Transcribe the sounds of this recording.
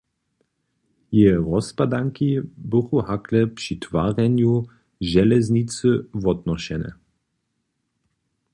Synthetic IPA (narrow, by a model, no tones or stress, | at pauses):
jɛɾɔspad̪aŋkibʊxuhaklɛpʂit̪vaʁɛnju | ʒɛlɛznit͡sɨvɔd̪nɔɕɛnɛ̰